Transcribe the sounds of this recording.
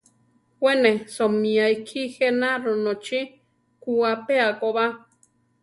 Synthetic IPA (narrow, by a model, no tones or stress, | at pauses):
hwʷenesomĩajkʰixenaɾonot͡ʃi | kuapeakoβa